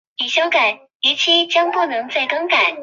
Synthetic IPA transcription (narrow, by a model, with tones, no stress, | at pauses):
i˨˩ɕjo˥ʊka˨˩˦n | i˧˥t͡ɕʰi˥t͡ɕjɑ˥ŋpu˥˩nɤ˧˥ŋt͡se˥˩ɪkɑ˥ŋka˨˩˦n